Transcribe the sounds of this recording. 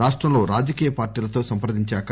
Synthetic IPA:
aːʂʈɾɐmlo̞ːɾaːd͡ʒɐkiːjɐpaːɾʈiːlɐt̪o̞ːsɐmpɐɾd̪iɲt͡ʃaːk

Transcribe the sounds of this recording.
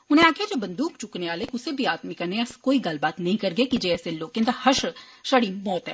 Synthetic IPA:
ʊnẽaːkʰijad͡ʒoːbɐ̃nd̪uːkt͡ʃʊkneʋaːleːkʊsebʱiaːt̪mikɐɾneɐɾskoːiɡɐlbaːt̪nɐɦĩkɐɾɡekid͡ʒeɛːseloːkẽnd̪ahɐʃʃɐɽimɔːt̪ɦɛ̰ː

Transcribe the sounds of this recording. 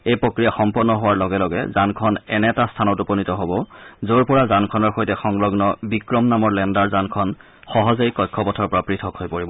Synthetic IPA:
ejpɹokɹijaxɔmpɔnːɔɦowaɹlɔɡɛlɔɡɛ̰zankʰɔnɛnɛtastʰanɔtuponitɔɦobɔzoɹpɔɹazankʰɔnɔɹxojtɛxɔŋlɔɡnɔbikɹɔmnamɔɹlɛndaɹzankʰɔn | xɔɦɔzeikɔjkʰːɔpɔtʰɔɹpɔɹapɹitʰɔkhojpoɹibɔ

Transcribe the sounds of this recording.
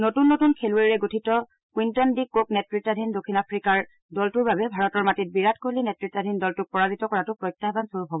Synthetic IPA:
notunːotunkʰelueɹiɹɛɡotʰitɔ | kwintɔndikːok̚nɛtɹitːadʱindokʰːinapʰɹikaɹ | dɔltuɹbabɛbʱaɹɔtɔɹmatit̚biɹatʰkoɦlinɛtɹitːadʱindɔltʊk̚pɔɹazitɔkɔɹatʊpɹɔjk̚tːaɦbansoɹupɦɔbɔ

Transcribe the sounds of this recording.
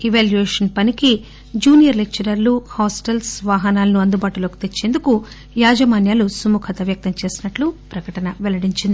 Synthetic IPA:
iʋaːljueːʂɐnpɐniki | d͡ʒuːnijɐɾlekt͡ʃːɐɾɐɾluhaːsʈɐlsʋaːɦɐnaːlɐnuɐnd̪ubaːʈulo̞ːki̥t̪e̞t͡ʃːe̞ːnd̪uku | jaːd͡ʒɐmaːnjaːlusumukʰɐt̪ɐʋjɐk̚t̪ɐmt͡ʃe̞ːsinɐʈlupɾɐkɐʈɐnɐʋɛlɐɽiɲt͡ʃind̪i

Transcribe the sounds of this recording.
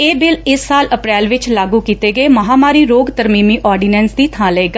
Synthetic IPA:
eːbɪlɪsːaːləpɾɛːlʋɪt͡ʃlaːɡuːkiːt̪eːɡəeːməɦaːmaːɾiːɾoːɡt̪əɾmiːmiːʔɔːɾɖiːnɛːnsd̪iːt̪ʰãːləeːɡaː

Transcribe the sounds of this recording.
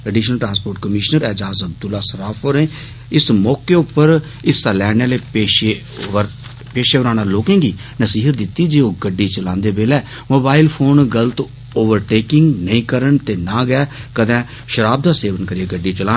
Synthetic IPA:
əɖiːʃnəlʈɾãːnspoːɾʈkəmɪʃnəɾɛːd͡ʒaːzəb̚d̪ʊlːaːsəɾaːpʰoɾẽː | ɪsmɔːkeːʊpːəɾ | ɪst̪aːlɛːɽ̃aːleːpeːʃeː | peːʃeːʋəɾãːnaːloːkẽːɡiːnəsiːɦət̪̚d̪ɪt̪ːiːd͡ʒeːoːɡəɖːiːt͡ʃəlãːnd̪eːbeːlɛː | moːbaːɪlpʰoːnɡəlt̪ | oːʋəɾʈeːkɪ̃ŋɡnəĩːkəɾəɳt̪eːnãːɡɛːkəd̪ɛ̃ː | ʃəɾaːb̚d̪aːseːʋənkəɾieɡəɖːiːt͡ʃəlãː

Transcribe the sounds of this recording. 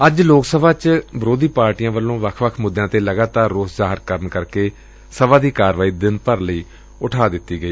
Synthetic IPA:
əd͡ʒloːksəʋãːt͡ʃbəɾoːd̪iːpaːɾʈɪjãːʋəlːõːʋəkʰʋəkʰmʊd̪ːjãːt̪eːləɡaːt̪aːɾːoːszaːɦɪɾkəɾənkəɾkeː | səʋãːd̪iːkaːɾʋaːiːd̪ɪnpəɾləiː | ʊʈʰaːd̪ɪt̪ːiːɡəiː

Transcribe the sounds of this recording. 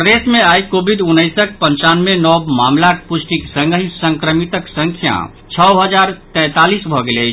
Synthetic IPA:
ɾesmeajkobʱid̪unːəjsək̚pəɲt͡ʃanmenɔbmamlak̚pusʈiksə̃ŋɡəɦisəŋkɾəmit̪əksə̃ŋkʰjã̰ | t͡ʃʰəɦəd͡ʒaɾt̪ɛ̃t̪alisbʱɔɡelət͡ʃʰ

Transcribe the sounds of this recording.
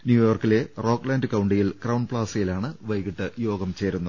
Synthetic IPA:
njuːjo̞ːrkːile̞ro̞ːkːlaːndɨkɐwɳɖijilkrɐwuɳpɭaːsɐjilaːɳɨʋɐjɣiʈːɨjo̞ːɡɐmt͡ɕe̞ːɾunːu

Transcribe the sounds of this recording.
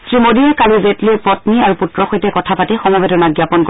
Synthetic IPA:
sɹimodiɛkalizetliɛpɹɔtniaɹuputɹɔxɔjtɛkɔtʰapatixɔmɔbɛtɔnaɡjapɔnk

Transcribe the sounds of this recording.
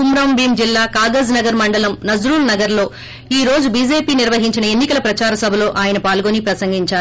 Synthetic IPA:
umɾɐmbiːmd͡ʒilːaːkaːɡɐznɐɡɐɾmɐɳɖɐlɐmnɐd͡ʒɾuːlnɐɡɐɾlo̞ː | iːɾo̞ːd͡ʒubiːd͡ʒe̞ːpiːniɾʋɐɦiɲt͡ʃinɐe̞nːikɐlɐpɾɐt͡ʃaːɾɐsɐbʱɐlo̞ːʔaːjɐnɐpaːlɡoːnipɾɐsɐŋɡiɲt͡ʃaː

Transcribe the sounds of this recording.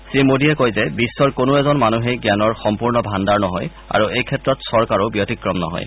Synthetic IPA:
sɹimodiɛkojzɛbisːɔɹkonoɛzɔnmanuɦɛjɡjanɔɹxɔmpuɹnɔbʱandaɹnɔɦɔj | a̰ɹuejkʰɛtɹɔtsɔɹkaɹobjotikɹɔmnɔ̰ɦɔ̰j

